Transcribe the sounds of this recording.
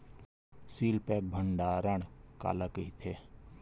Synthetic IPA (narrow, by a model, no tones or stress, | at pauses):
siːlpɛːk̚bʱəɳɖaːɾəɳka̰ːlakəit̪ʰeː